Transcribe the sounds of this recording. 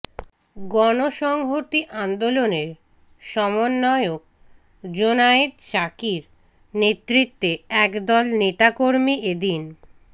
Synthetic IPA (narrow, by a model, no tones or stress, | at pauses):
ɡɔnoʃɔŋɦot̪iʔand̪oloneɾ | ʃɔmonːɔeok̚ | d͡ʑonaet̪ʃakiɾ | net̪ːɾit̪ːeɛkd̪ɔlnet̪akoɾmied̪in